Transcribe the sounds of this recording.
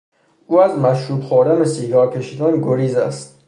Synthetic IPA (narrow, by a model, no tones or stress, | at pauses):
ʔuːæzmæʃɾuːb̪xoɾd̪ænesiːɡɒːɾcʰe̞ʃiːd̪ænɡoɾiːzæ̰st̪̚